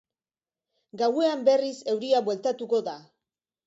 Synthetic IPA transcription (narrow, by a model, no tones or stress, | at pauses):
ɡawe̞ambe̞rise̞wɾiaβwe̞lt̪at̪uko̞ða